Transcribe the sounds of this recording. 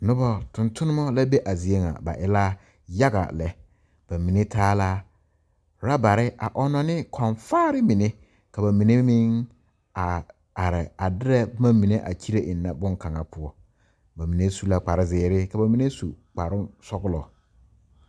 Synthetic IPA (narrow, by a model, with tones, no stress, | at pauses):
nʊ̃˦bɔ˨tʰʊ̃˨ntʰʊ̃˦nʊ̃˦mã˦la˦be˦ʔa˨zi˨e˦ŋa̰˨ba̰˨ʔɪ˦la˦ | ja˦ɡa̰˨lɛ˨ | b̥a˨mĩ˨nɪ̃˦tʰaː˦la˦ | ɾa˦ba˨ɾɪ˦ʔa̰˨ʔɔ˦nɔ̃˨nɪ̃˦kʰɔ̃˨nfaː˦ɾɪ˦mĩ˨nɪ̃˦ | kʰa˨ba˨mĩ˨nɪ̃˦mĩ˦ŋ | a˨ | a˨ɾɪ˨a˨dɪ˦ɾɛ˦bmã˦mĩ˨nẽ˦ʔa̰˨t͡ɕʰi˦ɾe˦ʔɪ˨n˨nã˦bʊ̃˦ŋ˦kʰã˨ŋã˨pʰʊ˨ɔ˨ | ba˨mĩ˨nẽ˦su˦la˦k͡pa˨ɾɪ˦zɪː˨ɾɪ˦kʰa˨ba˨mĩ˦nẽ˦su˨k͡pa˨ɾʊ̃˦sɔ˦ɡʊ˦lɔ˨